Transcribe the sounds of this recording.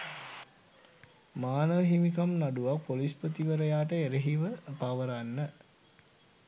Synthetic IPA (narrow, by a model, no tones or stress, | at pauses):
maːnəʋəɦimikamnaɖuʋapolispət̪iʋəɾəjaːʈəeɾeɦiʋəpaʋəɾanːə